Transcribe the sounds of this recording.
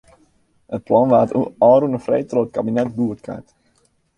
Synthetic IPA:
ət̚plɑnʋaːtuɔːɾunəfrejtroətkabinɛt̚buətkʰa̰t

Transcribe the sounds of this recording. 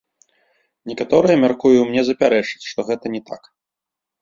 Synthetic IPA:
nʲɛkat̪ɔɾɨjɐmʲarkujuwmnʲɛzɐpʲaɾɛt͡ʂɨ̥t͡sʲʂt̪ɔɣɛt̪ɐnʲɛt̪a̰k

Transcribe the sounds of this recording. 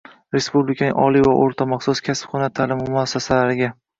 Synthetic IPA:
ɾe̞spublɪkʰʲanɪ̰ŋʔɒlˠivaʔoɾt̪ʰamɑχsʊskʲʰaspχɒnat̪ʰalɪmɪmʊasːasalaɾɪɡʲa

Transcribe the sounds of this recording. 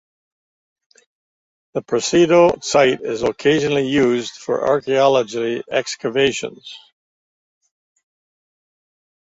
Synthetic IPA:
ðəpʰɹ̥ɨsiɾosaɪɾɪzəkʰeɪʒənl̩ˠijʉzd̥fə̰˞ʔɑ̰ɹkiɑlˠəd͡ʒliɛkskəveɪʃə̰̃nz̥

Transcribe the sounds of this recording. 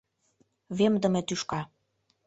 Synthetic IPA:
βemd̪ə̆met̪yʃkɑ

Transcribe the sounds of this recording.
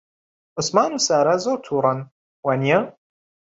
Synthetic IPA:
ʔʊsmaːnusaːɾazoːt̪ʰuːɾˤɑn | wanja

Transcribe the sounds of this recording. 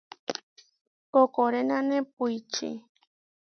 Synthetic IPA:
kokoɾenanep̚ujt͡ʃḭ

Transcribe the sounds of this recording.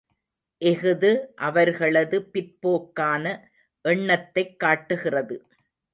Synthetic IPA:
ʔɛɣɯðɯʔɐʋɐɾɣɐɭɐðɯpɪɾpoːkːaːnɐ | ʔɛɳːɐt̪ːɐɪkːaːʈːɯɣɪrɐðɯ

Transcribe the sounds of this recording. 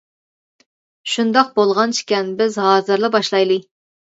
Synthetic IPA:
ʃund̪ɑq̚bolˠʁɑnt͡ʃʰi̥kʲɛnbɪzɦɑːzɨɾlˠɨbɑʃlˠɑjlˠɨ

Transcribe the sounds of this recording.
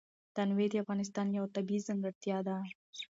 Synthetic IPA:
t̪anwed̪eafɣɑnɪs̬t̪ɑnjawt̪abizaŋɡaɾt̪jɑd̪a

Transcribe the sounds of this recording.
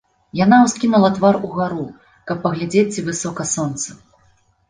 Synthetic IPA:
janawskʲimʲɐlˠɐt̪varuɣaɾu | kɐpːɐɣlʲad͡zʲet͡sʲːivɨsɔkɐsɔnt̪sɐ

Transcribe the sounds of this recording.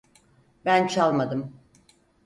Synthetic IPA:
bænt͡ʃʰalˠmad̪ɯm

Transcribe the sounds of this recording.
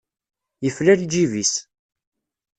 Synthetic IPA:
jəflæɾid͡ʒivis

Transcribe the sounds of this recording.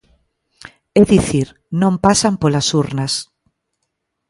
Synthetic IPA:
eðiθiɾ | nõmpasampolasuɾnas

